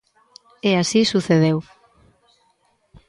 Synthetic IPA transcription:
easisuθeð̞ew

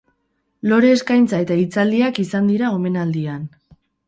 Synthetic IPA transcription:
lo̞ɾe̞ːskajnt͡sae̞t̪ait͡sald̪iakisand̪iɾao̞me̞nald̪ian

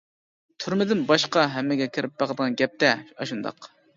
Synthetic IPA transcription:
t̪ʰyɾmɪd̪ɪnbɑʃqɑɦɛmːɪɡʲɛkʲʰɪɾɪp̚bæʁəd̪əʁɑnɡʲɛp̚t̪ɛɑʃund̪ɑ̰q

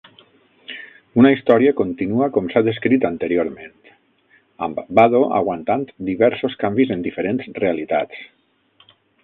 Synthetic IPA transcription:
unaist̪ɔɾiakont̪inuakɔmsaðeskɾit̪ant̪eɾjoɾmẽnt̪ | a̰mbbaðoʔa̰ɣwant̪ant̪d̪iβɛɾsoskambizend̪ifeɾenzrealit̪a̰t͡s

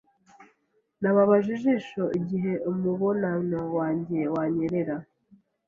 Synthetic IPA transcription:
naβaβaʒiʒiʃoʔiɟiɦe̞omuβonanowaːɲɟe̞waɲeɾeɾa

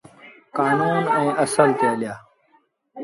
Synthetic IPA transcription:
kaːnuːnẽːʔɐsəlt̪eːljaː

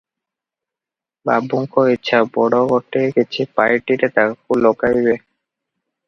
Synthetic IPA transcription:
babuŋkʰoitːɕʰabɔɽoɡɔʈːeket͡ɕʰipaɾʈiɾet̪akkulokajbe

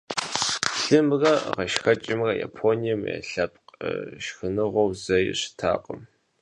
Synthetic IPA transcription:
ɬɨmrɐʁɐʃxɐt͡ʃʼɪmrɐja̰ːpʰoːnijɐmja̰ɬɐp̚ʼqɐ̰ʃxɨnɨʁʷɔwzɐjɪ̰ɕɪ̥tʰa̰ːqʼəm

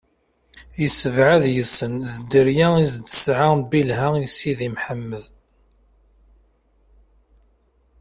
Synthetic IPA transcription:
jəsːəvʕaðjəsːənðəd̪əɾjæizd̪ə̥sʕabilɦæjsiðimħəmːəð

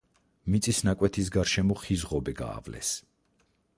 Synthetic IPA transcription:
mit̪sʼisnakʼwɛt̪ʰis̬ɡaɾʃɛmɔχizʁɔbɛɡa̰ːvlɛ̰s

